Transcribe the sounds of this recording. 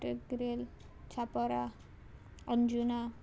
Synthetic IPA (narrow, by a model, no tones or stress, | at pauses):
ʈeɡɾel | t͡ʃʰapɔɾa | ʌnd͡ʒuna